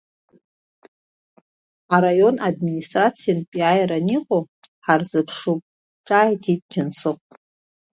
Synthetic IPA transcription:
aɾajo̞nadministʼrat͡sʰijanpʼiajɾaniqʼo | ħarzɨpʰʂupʼ | ʈ͡ʂʼaːjtʰitʼd͡ʒɪnsɨχʷʼtʼ

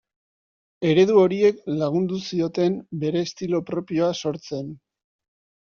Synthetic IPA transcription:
e̞ɾe̞ðuo̞ɾie̞klaɣ̞und̪usio̞t̪e̞mbe̞ɾe̞ːst̪ilo̞pɾo̞pio̞aso̞ɾt͡se̞n

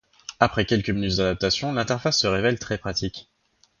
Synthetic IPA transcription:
apχɛkʲɛlkəminyt̪̚d̪ad̪ap̚t̪asjɔ̃lɛ̃t̪ɛʁfasːəʁevɛlt̪χɛpχat̪ikʲ

